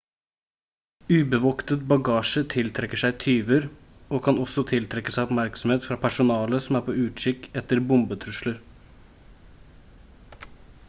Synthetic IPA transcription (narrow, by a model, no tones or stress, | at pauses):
ʉːbəʋoːkt̪ət̪̚bɑɡɑːʂət̪ʰɪlt̪ʰɾɛkːəʂæɪt̪ʰyːʋəɾ | oːkʰɑnɔsɔt̪ʰɪlt̪ʰɾɛkːəsæɪɔpmæɾksɔm̩heːt̪fɾɑːpʰæʂʊnɑːləsɔmæːɾpʰoːʉːt̪ʃɪkɛt̪ːəɾbʊmbət̪ʰɾʉʂləɾ